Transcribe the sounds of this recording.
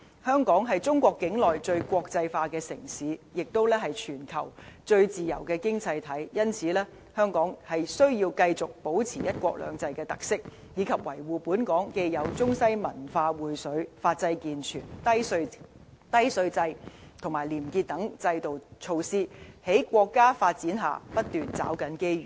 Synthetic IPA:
hœː˥ŋkɔː˨˥ŋɦɐ˨jt͡sʊ˥ŋkʷɔː˧kːɪ˨˥ŋlɔː˨jt͡ʃɵ˧ɥkʷɔː˧k̚t͡sɐ˧jfaː˧kɛː˧sɪ̰˨˩ŋsiː˨˥jɪ˨k̚t̪o˥wlɛː˥hɐ˨jt͡ʃʰyː˨˩nkʰɐ˨˩wt͡ʃɵ˧ɥt͡siː˨˩jɐ̰˨˩wkɛː˧kɪ˥ŋt͡sɐ˧jt̪ʰɐ˨˥jjɐ˥nt͡sʰiː˨˦lɛː˥ | hœː˥ŋkɔː˨˥ŋhɐ˨jsɵ˥ɥjiː˧wkɐ˧jt͡sʊ˨k̚po˨˥wt͡sʰiː˨˩jɐ˥t̚kʷɔ̰ː˧k̚lœ̰ː˨˧ŋt͡sɐ˧jkɛː˧t̪ɐ˨k̚sɪ˥k̚ | jiː˨˧kʰɐ˨p̚wɐ̰˨˩jwuː˨puː˨˥nkɔː˨˥ŋke˧jjɐ˨˧wt͡sʊ˥ŋsɐ˥jmɐ˨˩nfaː˧wuː˨˩jsɵ˨˥ɥfaː˧t̚t͡sɐ˧jkiː˨nt͡ʃʰyː˨˩n | t̪ɐ˥jsɵ˧ɥt͡sɐ˧jt̪ʰʊ˨˩ŋmaː˨˩liː˨˩mkiː˧t̚t̪ɐ˨˥ŋt͡sɐ˧jt̪o˨wt͡ʃʰo˧wsiː˥he˨˥jkʷɔː˧kːaː˥faː˧t̚t͡siː˨˥nɦa̰ː˨pɐ˥t̚t̪yː˨˩nt͡sa̰ː˨˥wkɐ˨˥nke˥jɥyː˨˩

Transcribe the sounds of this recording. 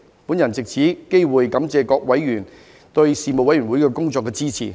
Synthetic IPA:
puː˨˥njɐ˨˩nt͡sɪ˨k̚t͡sʰiː˨˥ke˥jwuː˨jkɐ˨˥mt͡sɛː˧kɔː˧k̚wɐ˨˥jːyː˨˩n | t̪ɵ˧ɥsiː˨˩mo˨˧wɐ˨˥jɥyː˨˩wuː˨˥jkɛː˧kʊ˥ŋt͡sɔː˧kːɛː˧t͡siː˥t͡sʰḭː˨˩

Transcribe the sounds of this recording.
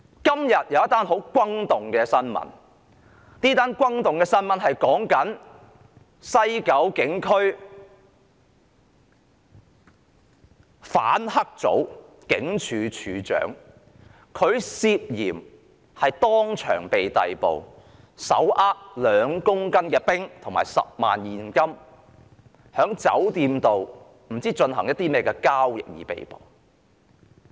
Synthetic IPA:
kɐ˥mjɐ˨t̚jɐ˨˧wjɐ˥t̪ːaː˥nɦo˨˥wkʷɐ˥ŋt̪ʊ˨˩ŋkɛː˧sɐ˥nmɐ̰˨˥n | niː˥t̪aː˥nkʷɐ˥ŋt̪ʊ˨ŋkɛː˧sɐ˥nmɐ˨˥nɦɐ˨jkɔː˨˥ŋkɐ˨˥n | sɐ˥jkɐ˨˥wkɪ˨˥ŋkʰɵ˥ɥ | fa̰ː˨˥nhɐ˥k̚t͡so̰˨˥w | kɪ̰˨˥ŋt͡ʃʰyː˨˧t͡ʃʰyː˨˧t͡ʃœ̰ː˨˥ŋ | kʰɵ˨˧ɥsiː˧p̚jiː˨˩m | hɐ˨jt̪ɔː˥ŋt͡ʃʰœ̰ː˨˩ŋpe˨jt̪ɐ˨jpo̰˨˩w | sɐ̰˨˥wʔaː˥k̚lœː˨˧ŋkʊ˥ŋkɐ˥nkɛː˧pɪ˥ŋt̪ʰʊ˨˩ŋma̰ː˨˩jsɐ̰˨p̚ma̰ː˨njiː˨˩nkɐ˥m | hœː˨˥ŋt͡sɐ̰˨˥wt̪iː˧mt̪o˨w | m̩˨˩t͡siː˥t͡ʃɵ˧nɦɐ˨˩ŋjɐ˥t̪̚iː˥mɛː˥kɛː˧kaː˥wjɪ̰˨k̚jḭː˨˧pḛ˨jpo̰˨˩w

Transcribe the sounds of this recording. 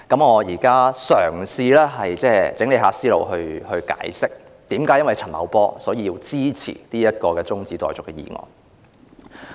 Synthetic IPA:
kɐ˨˥mŋɔː˨˧jiː˨˩kaː˥sœː˨˩ŋsiː˧lɛː˥ɦɐ˨jt͡sɛː˥t͡sɪ˨˥ŋle˨˧jɦaː˨˧siː˥lo̰˨˧wɦɵ˧ɥhɵ˧ɥka̰ː˨˥jsɪ˥k̚ | t̪iː˨˥mkaː˨˥jɐ˥nwɐ˨jt͡sʰɐ˨˩nmɐ˨˧wpɔː˥sɔː˨˥jiː˨˧jiː˧wt͡siː˥t͡sʰḭː˨˩t̪iː˥jɐ˥t̪̚kɔː˧kɛː˧t͡sʊ˥ŋt͡siː˨˥t̪ɔ̰ː˨jt͡sʊ˨kːɛː˧jḭː˨˩ŋɔ̰ː˨ŋ

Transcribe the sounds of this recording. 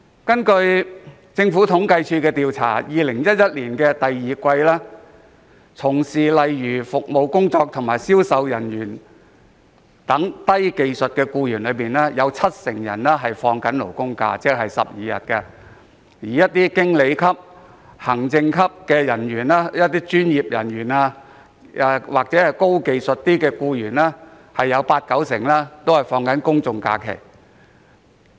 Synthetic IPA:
kɐ˥nkɵ˧ɥ | t͡sɪ˧ŋfuː˨˥t̪ʰʊ˨˥ŋkɐ˧jt͡ʃʰyː˧kɛː˧t̪iː˨˧wt͡sʰa̰ː˨˩jiː˨˧lɪ˨˩ŋjɐ˥t̚jɐ˥t̚liː˨˩nkɛː˧t̪ɐ˨jːiː˨˩kʷɐ˧jlɛː˥ | t͡sʰʊ˨˩ŋsiː˨˩lɐ˨jjyː˨˩fʊ˨k̚mo˨˧wkʊ˥ŋt͡sɔː˧k̚t̪ʰʊ˨˩ŋmaː˨˩jsiː˥wsɐ˧wjɐ˨˩njyː˨˩n | t̪ɐ˨˥ŋt̪ɐ˥jke˨˧jsɵ˨t̚kɛː˧kuː˧jyː˨˩nlɵ˨˧ɥpiː˨nlɛː˥jɐ˨˧wt͡sʰɐ˥t̚sɪ˨˩ŋjɐ̰˨˩nlɛː˥ɦɐ˨jfɔː˧ŋkɐ˨˥nlo̰˨˩wkʊ˥ŋka̰ː˧t͡sɛː˥k̚ɦɐ˨jsɐ̰˨p̚jiː˨˧jɐ̰˨t̚kɛ˧ | jiː˨˩jɐ˥t̚t̪iː˥kɪ˥ŋle˨˧jkʰɐ˥p̚ | hɐ˨˩ŋt͡sɪ˧ŋkʰɐ˥p̚kɛː˧jɐ˨˩nɥyː˨˩naː˥jɐ˥t̪̚iː˥t͡ʃyː˥njiː˨p̚jɐ˨˩nɥyː˨˩naː˧ | waː˨k̚t͡sɛː˨˥hɐ˨jko˥wke˨˧jsɵ˨t̚t̪iː˥kɛː˧kuː˧jyː˨˩nlɛː˥ | hɐ˨jːɐ˨˧wpaː˧t̚kɐ˨˥wsɪ˨˩ŋlɛː˥t̪o˥whɐ˨jfɔː˧ŋkɐ˨˥nkʊ˥ŋt͡sʊ˨ŋka̰ː˧kʰḛ˨˩j

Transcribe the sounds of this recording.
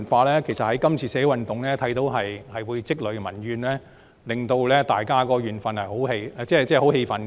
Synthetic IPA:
nfaː˧lɛː˥kʰe˨˩jsɐ˨t̚hɐ˨˥jkɐ˥mt͡sʰiː˧sɛː˧˥˨wɐ˨nt̪ʊ˨ŋlɛː˥t̪ʰɐ˨˥jt̪o˨˧˥wɦɐ˨jhɐ˨jwuː˨˧jt͡sɪ˥k̚lɵ˨˧ɥmɐ̰˨˩nɥyː˨nlɛː˥ | lɪ˨ŋt̪o˧wlɛː˥t̪aː˨jkaː˥kɔː˧ɥyː˨nfɐ˨nhɐ˨jɦo˨˥whe˧jt͡sɛː˥t͡sɛː˥˩ɦo˨˥wɦe˧jfɐ˨n

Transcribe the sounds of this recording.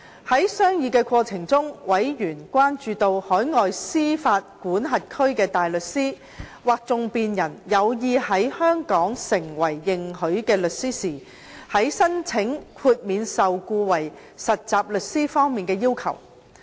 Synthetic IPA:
hɐ˨˥jsœː˥ŋjiː˨˧kɛː˧kʷwɔː˧t͡sʰɪ˨˩ŋt͡sʊ˥ŋwɐ˨˥jjyː˨˩nkʷaː˥nt͡ʃyː˧t̪o˧whɔː˨˥jŋɔː˨jsiː˥faː˧t̚kuː˨˥nɦɐ˨t̚kʰɵ˥ɥkɛː˧t̪aː˨jlɵ˨t̚siː˥ | waː˨˩k̚t͡sʊ˨˧ŋpiː˨njɐ˨˩njɐ˨˧wjiː˧hɐ˨˥jhœː˥ŋkɔː˨˥ŋsɪ˨˩ŋwɐ˨˩jːɪ˨ŋɦɵ˨˥ɥkɛː˧lɵ˨t̚siː˥siː˨˩ | hɐ˨˥jsɐ˥nt͡sʰɪ˨˥ŋkʰuː˧t̚miː˨˧nsɐ˨wkuː˧wɐ˨˩j | sɐ˨t̚t͡saː˨p̚lɵ˨t̚siː˥fɔː˥ŋmiː˨nkɛː˧jiː˥wkʰɐ̰˨˩w

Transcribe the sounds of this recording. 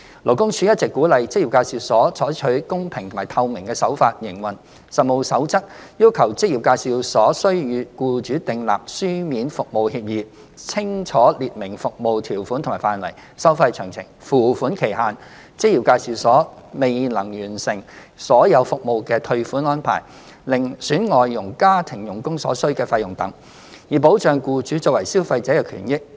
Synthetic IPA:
lo˨˩wkʊ˥ŋt͡ʃʰyː˨˧˥jɐ˥t̚t͡sɛ˨˩kːuː˨˥lɐ˨jt͡sɪ˥k̚ji˨˩pkaː˧jsiː˨˩wsɔː˨˥t͡ʃʰɔː˨˥jt͡ʃʰɵ˨˥ɥkʊ˥ŋpʰɪ˨˩ŋt̪ʰʊ˨˩maː˨˩t̪ʰɐ˧wmɪ˨˩ŋkɛː˧sɐ˨˥wfaː˧t̚jɪ˨˩ŋwɐ˨˩n | sɐ˨˩t̚mo˧wsɐ˨˥wt͡sɐ˥t̚jiː˥wkʰɐ˨˩wt͡sɪ˥k̚ji˨˩p̚kaː˧jsi˨˧wsɔː˨˥sɵ˥ɥjyː˨˧kuː˧t͡ʃyː˨˥t̪ɪ˨ŋla̰ː˨p̚syː˥miː˨˥nfʊ˨k̚mo˨˧whiː˧p̚jiː˨˧ | t͡sʰɪ˥ŋt͡ʃʰɔː˨˥liː˨t̚mɪ˨˩ŋfʊ˨k̚mo˨wt̪ʰiː˨˩wfuː˨˥nt̪ʰʊ˨˩maː˨˩faː˧nwɐ̰˨˩jsɐ˥wfɐ˧jt͡ʃʰœː˨˩ŋt͡sʰɪ̰˨˩ŋfuː˨˩fuː˨˥nkʰe˨˩jɦaː˨n | t͡sɪ˥k̚jiː˨˩wkaː˧jsiː˨˧wsɔː˨˥me˨jlɐ˨˩ŋjyː˨˩nsɪ˨˩ŋ | sɔː˨˥jɐ˨˧wfʊ˨k̚mo˧wkɛː˧t̪ʰɵ˧ɥfuː˨˥nɔː˥npʰa̰ː˨˩j | lɪ˨ŋsyː˨˥nŋɔː˨jːʊ˨˩ŋkaː˥t̪ʰɪ˨˩ŋjʊ˨˩ŋkʊ˥ŋsɔ̰ː˨˥sɵ˥ɥkɛː˧fɐ˧jʊ˨˩ŋt̪ɐ̰˨˥ŋ | jiː˨˩po˨˥wt͡sœː˨˧ŋkuː˧t͡ʃyː˨˥t͡sɔː˧k̚wɐ˨˩jsiː˥wfɐ˧jt͡sɛː˨˥kɛ˧kʰyː˨˩njɪ˥k̚

